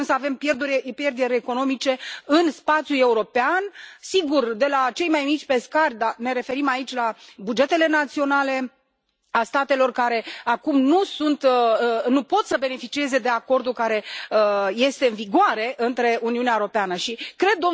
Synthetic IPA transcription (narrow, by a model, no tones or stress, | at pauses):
msəave̞mpjerd̪uɾʲepjerd̪eɾʲeko̞no̞mit͡ʃe̞ɨnspat̪sjule̞uɾo̞peansiɡurd̪e̞lat͡ʃe̞jmajmit͡ʃʲpe̞skarʲd̪ane̞ɾe̞fe̞ɾimait͡ʃʲlabud͡ʒe̞t̪e̞le̞nat̪sio̞nale̞ | ast̪at̪e̞lo̞rkaɾe̞akumnusunt̪nupo̞t̪səbe̞ne̞fit͡ʃie̞ze̞d̪e̞ako̞rd̪ukaɾe̞ | je̞st̪e̞ɨnviɡoaɾe̞ʔɨnt̪ɾe̞uniuneaeuɾo̞peanəʃikɾe̞d̪̚ːo